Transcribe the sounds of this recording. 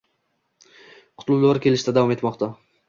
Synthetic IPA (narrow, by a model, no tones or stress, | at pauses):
qʰʊ̥t̪lʊd̪aɾkʲʰe̞lɪʃt̪ad̪avɒme̞t̪mɒqt̪ʰa